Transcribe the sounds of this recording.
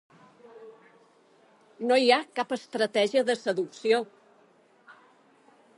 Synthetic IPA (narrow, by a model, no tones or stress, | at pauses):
noiakapəst̪ɾət̪ɛʒiəðəsəðuksio